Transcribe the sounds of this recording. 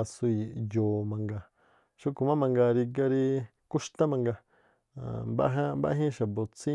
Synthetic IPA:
a˧su˧˨jo˨mã˨ŋɡa˧ | ʃu˧ku˨mã˦mã˧ŋɡa˧ɾi˧ɡa˧ɾi˧ | ku˦ʃt̪ã˦mã˧ŋɡa˧˨ | mba̰˦ɦã˦mba̰˦˧˦ɦĩ˦ʃa˨bo˨t͡sĩ˦

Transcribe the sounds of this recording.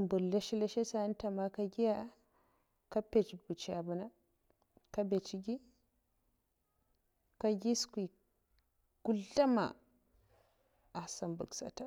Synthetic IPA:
mbu˨ɾla˦ʃi˦le˦ʃe˦sa˦n˦ta˨ma˨ka˦ɡʲi˦ja˦ | ka˦pe˨t͡ʃbu˨t͡ʃi˦a˨bu˦na˦ | ka˦be˨t͡ʃi˦ɡʲi˦ | ka˦ɡʲi˦skʷi˨ | ɡ̥u˦ɮa˦ma̰˨ | a˨sa˨mbṵ˨ksa̰˨ta˦

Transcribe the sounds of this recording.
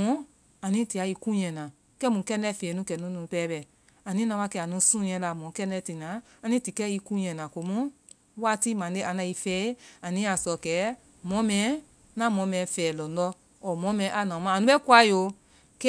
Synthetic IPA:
ũ˦ | a˨nĩ˦ti˨a˧i˧kũ˦ɲɛ̃˨nã˨ | kɛ˦mũ˨˦kɛ˦˧nɛ˦˨fe˨nũ˧˦kɛ˨nũ˧˦nũ˨˧˨pɛː˦bɛ˨ | a˨nĩ˦nã˧wa˧˦kɛ˧˨a˨nũ˧˦sũ˦ɲɛ̃˧˦la˨mɔ̃˨˦kɛ˧˦ndɛ˧ti˨nã˨˦ | a˧nĩ˦ti˨kɛ˦i˧kũ˦ɲɛ̃˨nã˨ko˨mũ˦ | wa˦ti˦mã˨˦e˦ʔã˨˧nã˧i˧fɛː˧˦a˨nĩ˦a˨sɔ˨kɛ˨˦ | mɔ̃˨˧˦mɛ̃˨˦ | nã˨˦mɔ̃˨˧˦mɛ̃˨˦fɛː˨lɔ̃˨n˦ɔ˧˦ | ɔ˨mɔ̃˨˦mɛ̃˨˦ʔa˨nã˨mã˧˨nũ˦ɛ˦kwa˧˦jo˧˦ | kɛ˦

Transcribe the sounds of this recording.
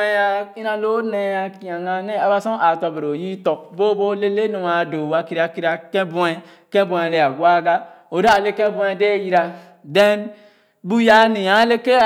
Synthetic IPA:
e˦ja˦i˦na˨lo˦ne˦ja˨ki˨a˨ŋa˨ne˦a˦ba˦sɔ˦ʔa˨tɔ˨be˨ɾo˨ji˦tɔ˨bo˦bo˦le˦le˦nu˨a˨do˨wa˨ki˦ɾa˨ki˦ɾi˦a˨kɛ̃˦bu˦ɛ˦ | kɛ̃˦bũ˨e˨le˨a˨ɡwa˦ɡa˦o˨da˦˨le˦ke˦bũ˦e˨de˦ji˦ɾa˨ | de˦n | bu˦ja˦ni˨ja˨˦le˦ke˦˨

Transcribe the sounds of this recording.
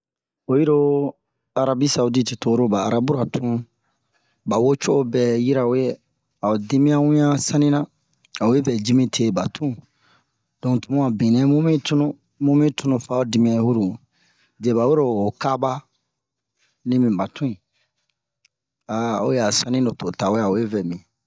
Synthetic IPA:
o˨ji˦ɾo˦ | a˨ɾa˦bi˦sa˨u˦di˦te˨to˨˦ɾo˦ba̰ː˨ɾa˦bu˦ɾa˨tʰũ˦ | ba˨wo˦t͡ʃo˦ʔo˦bɛ˦˨ji˦ɾa˨o˦je˦ | a˨o˨di˦mĩ˦a˦wũ˦jã˦sã˦nĩ˦nã˦ | a˨o˨je˦fɛ˨d͡ʒi˦mĩ˦tʰe˦ba˨tʰũ˦ | dɔ̃˨ŋtu˨mũ˦a˨bĩ˨nɛ̃˦mũ˦mĩ˦tu˦nũ˦ | mũ˦mĩ˦tu˦nũ˨fa˦o˦di˨mĩ˦ã˦hu˦ɾu˨ | de˨ba˨we˦ɾoː˨ka˦ba˦ | nĩ˦mĩ˨ba˨tũ˦ĩ˨ | a˨o̰˦je˨a˨sã˦nĩ˦do˨to˨ta˨o˦a˨o˨je˦vɛ˨mĩ˨

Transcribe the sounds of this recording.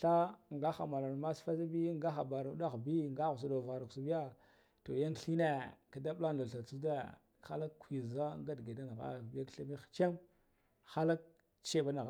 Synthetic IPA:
ɬa˦ŋɡa˦xa̰˨ma˨la˨n˨ma˦sfa˦za˦bi˦ŋɡa˦xa˨ba˨ɾa˨˦da˦xbi˦˨ŋɡa˦ɣu˨s̬a˨do˨va˨ɾa˨ksu˨bi˦ja˦ | to˨ja˦ŋɬi˦ne˦ka˦da˦bla˦nda˨ɬa˨t͡su˦de˦ | xa˦la˦kkʷi˨za˦ŋɡa˦dɡa˨da˦na˨ɣa̰˦˨bi˦ja˦kɬa˦mi˦xt͡ʃe˦ŋ | xa˦la˦k̚ | t͡ʃe˦ba˦na˨ɣ

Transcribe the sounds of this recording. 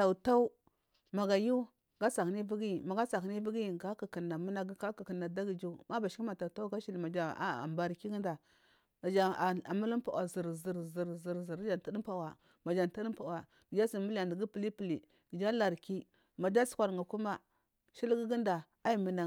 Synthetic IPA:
a˨ta˦u˦ | ma˨ɡa˨ju˦ | ɡa˦sa˨kni˦vi˦ɡi˦˨ma˨ɡa˦sa˨kni˦vi˦ɡi˦˨ɡa˦ki˨ki˨na˨mu˦na˦ɡi˦ka˦ki˨ki˨na˨da˦ɡi˨d͡ʒu˦ma˦ba˨ʃi˦ki˦ma˨ta˨ta˦u˦ɡa˦ʃi˦li˨ma˨d͡ʒa˦a̰˨mba˨ɾki˦ɡi˦nda˨ | d͡ʒa˨a˨mu˦lə˦pa˨wa˨zi˨ɾzi˨ɾzi˨ɾzi˨ɾzi˨ɾd͡ʒa˨n˨tə˦di˦mpa˨wa˨ | ma˨d͡ʒa˨n˨ta˦ɗi˦pa˨wa˨ | ɡə˨d͡ʒa˦si˨mu˦la˨ndi˨ɡi˦pə˨li˦pi˨li˨ | ɡi˨d͡ʒa˦la˨ɾki˦ | ma˨d͡ʒa˦su̥˨kʷa˨ɾŋɡa˨ku˦ma˦ | ʃi˦lɡi˦ɡi˦nda˨ | a˦i˦˨mə˨na˨

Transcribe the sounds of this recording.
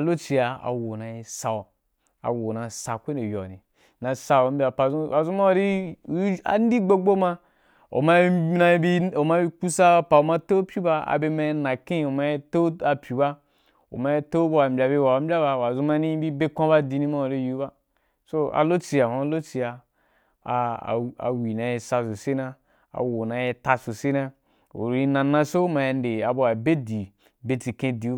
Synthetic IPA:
a˨lo˦t͡ʃi˧ja˧a̰˨wo˨na˨i˨sa˨o˨ | a̰˨wo˨na˨sa˨kʷe˦ne˨jo̰˨nḭ˨ | nã˨sa˧o˨m˦bʲi˦a˨pa˨zu˦a˨zu˦ma˦o˨ɾi˦˨˦ | a̰˨n˦di˦ɡ͡bo˦ɡ͡bo˦ma˧ | o̰˨ma˦na˧i˦bi˦o˨ma˧˦bi˦ku˦sa˦pa˨o˨ma˧to˦pʲi˦ba˧a̰˨be˧ma˧i˧nã˨kĩ˦˨o˨ma˧i˦to˦a˨pʲi˨ba˦ | o̰˨ma˧je˦to˦bo˦wa˨bʲa˧be˧wa˨a˨˦m̩˦bʲa˦ba˧wa˨zu˧ma˧nĩ˦bi˦be˦kʷã˦ba˦di˧nĩ˧ma˦o˨le˦ju˦ba˦ | so˦a̰˨lo˦t͡si˧ja˨hã˧˦˧lo˦t͡si˧ja˧˨ | a̰˨wi˨na˧je˧sa˧so˨se˦na˧ | a̰˨wo˨na˧je˧ta˧so˨se˦na˧ | o̰˨ɾi˧nã˨nã˧so˦ma˧je˧n˦de˨a˨bo˧wa˨be˦di˨ | be˧ti˨kẽ˧di˨˦

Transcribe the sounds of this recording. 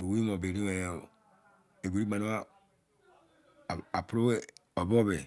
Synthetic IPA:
bo˨wi˦mo˨be˨ɾi˦e˨ | e˨ɡu˨ɾi˦ɡ͡ba˨n˦a˦˨ | a˨pɾo˦ɔ˨bɔ˦be˨

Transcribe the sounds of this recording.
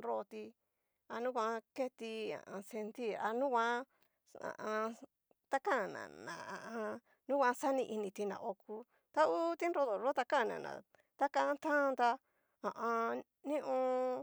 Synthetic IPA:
nɾo˧t̪i˧ | a˧nũ˦kʷã˧˦˧ke˦t̪i˧ã̰˨ʔã˧se˧nt̪i˦˨a˧nũ˦kʷã˦ | ã̰˨ʔã˧ | t̪a˦kã˦˨nã̰˨nã̰˨ã˨ʔã˧ | nũ˦kʷã˧˦sa˦nĩ˧ʔi˧nĩ˧t̪i˧nã̰˨ʔo˧ku˧ | t̪a˦u˦t̪i˦nɾo˧ðo˨ɾo˦t̪a˧kã˦˨nã̰˨nã̰˨ | t̪a˦kã˧t̪ã˦˧nd̪a˧ | ã˨ʔã˧ | nĩ˦ʔõ˧

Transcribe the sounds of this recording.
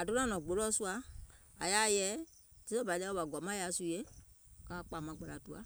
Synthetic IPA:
a˨do˦nã˦nɔ̃˨ɡ͡bo˨˦lɔ˦su˦a˨a˨ja˨˦jɛ˦ | ti˦ɔ˦ba˨˦lɛ˦ɔ˦ba˨ɡwa˨mã˦ja˨˦su˧˨je˦ka˨˦˨k͡pa˨mã˧˨ɡ͡ba˨la˨tu˨˦a˨

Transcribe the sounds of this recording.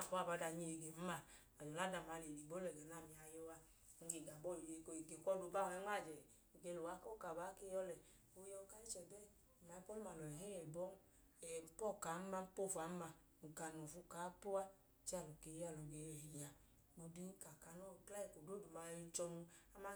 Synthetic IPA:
kɔ˨˦a˨ba˨˧˦da˧˨ɲi˧e˨ɡe˨m̩˦ma˨ | a˨jɔ˨la˦da˧˨ma˨˧le˨li˨bo˦lɛ˨ɡɛ˨na˨mi˨a˧jɔ˧wa˧ | ŋ̩˦˧ɡe˨ɡa˨bɔ˦˨lje˨ki˨ɡe˨kʷɔ˧du˨˧˦ba˦˨ɔ˨ɛ˦ŋʷa˦˨d͡ʒɛ˨ | ɡe˧˨lo˨wa˨˦kɔ˦ka˨ba˨˦ke˧˦jɔ˧lɛ˨ | o˨˧˦jɔ˧ka˦i˦t͡ʃɛ˨bɛ˦˨ | ma˨˦i˦pɔ˦lu˦ma˨lɔ˨ɛ˨ɦɛ˦jɛ˨bɔ˦ | ɛ˨m̩˦pɔ˦˨ka˨˦ma˧˦m̩˦po˦˨fa˨˦ma˧ | ŋ̩˨ka˧nɔ˨fu˧ka˨˦pu˦a˦˨ | t͡ʃi˦a˦˨lo˨ke˧˨ja˨lo˨ɡe˨ɛ˨hi˨ja˨ | bo˧di˦ka˨ka˧nɔ˦˨kla˦jɛ˨ko˨do˦˨du˨ma˧i˧t͡ʃɔ˧nu˧a˦ma˦

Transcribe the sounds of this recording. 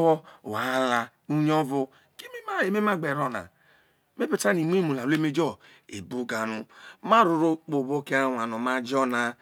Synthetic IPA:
ɔ˦˨wa˨˦la˨ | u˦ɲ˦ɔ˦vu˦ | ki˦mi˦ma˦e˨me˦ma˦ɡ͡be˨ɾɔ˦na̰˨ | me˦pi˨ta˦ni˨m˦i˦mu˨la˨le˦me˦d͡ʒɔ˦ | ḛ˨bu˦ɡa˨nu˨ma˦ɾu˨ɾo˦k͡po˨βo˦ke˦wa˨nu˨ma˦d͡ʒɔ˦na˨

